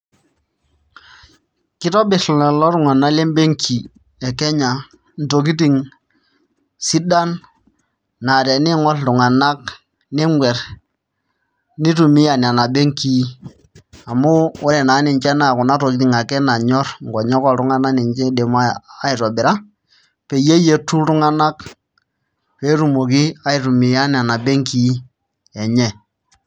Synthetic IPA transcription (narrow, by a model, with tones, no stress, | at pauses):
kɪ˦tɔ˦bɪ˨slɛ˨lɔ˦ɾu˨ŋa˨na˦le˦mbe˦ŋkʰi˨ | ɛ˨kɛ˦ɲa˨ | n̩˨to˨k̬i˦t̬i˨ŋ | si˦da˦n | na˨ɾɛ˨ni˦ŋɔ˦ltu˨ŋa˨na˦k | ni˦ŋwʷɛ˨ɾ | ni˦tu˨mi˦ja˨n˨a˨na˨be˦ŋki˦ | a˨muː˦ɾɛ˨na˨˦ni˨ɲt͡ʃɛ˦na˨ku˨na˦ɾo˨ki˦ti˨ŋa˨kɛ˦na˨ɲɔ˦ɾŋ˨ɡɔ˨ɲɔ˦kɔ˦˨ɾu˨˦ŋa˦na˦ni˨ɲt͡ʃɛ˦de˨ma˦a˦i˨ɾɔ˨bɪ˨ɾa˦ | pe˨je˦je˦tːu˦ɾu˦ŋa˦na˦k | pe˦ɾu˨mo˨k̬i˦a˦i˨ɾu˨mi˨ja˦n˨a˨na˨bɛ˦ŋki˦ | ɛ˨ɲɛ˦˨